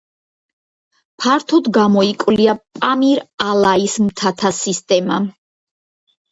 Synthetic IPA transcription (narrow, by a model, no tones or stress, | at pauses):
pʰaɾt̪ʰud̪ɡamɔikʼwliapʼamiɾalˠaismt̪ʰat̪ʰasist̪ʼɛma